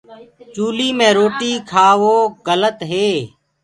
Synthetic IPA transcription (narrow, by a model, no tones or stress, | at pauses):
t͡ʃuːliːmẽːɾoːʈiːkʰaːʋoːɡələt̪ɦeː